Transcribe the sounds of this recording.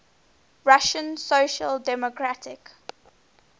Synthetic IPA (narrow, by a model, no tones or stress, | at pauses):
ɹaʃə̃nsoʃəldɛmɔkʰɹatʰɪk